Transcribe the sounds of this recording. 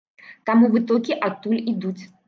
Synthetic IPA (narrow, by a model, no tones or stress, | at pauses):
t̪amuvɨt̪ɔlʲkʲiʔat̪ːulʲid̪ut͡sʲ